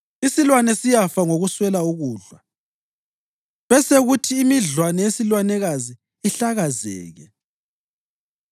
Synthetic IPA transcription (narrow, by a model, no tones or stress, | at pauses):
isilwanɛsijafaŋoɣuswɛlauɣuːɮwa | βɛseɣutʰiːmiɮwanɛjesilwanɛɣazi | iɬaɣazɛ̰ːɣɛ